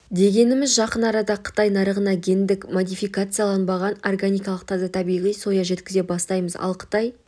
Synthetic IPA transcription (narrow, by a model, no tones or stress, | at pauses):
d̪e̞ɡʲe̞nɪmɪzʒɑqənɑɾɑd̪ɑqʰə̥t̪ɑjnɑɾəʁənɑɡʲe̞nd̪ɪkmod̪ijfijkat̪sɨjalˠɑnbɑʁɑnorɡanʲijkɑlˠəq̚t̪ʰɑzɑt̪ʰɑbijʁijso̞jɑʒe̞t̪kʲɪze̞bɑst̪ɑjməzɑ̰lˠqʰə̥t̪ɑj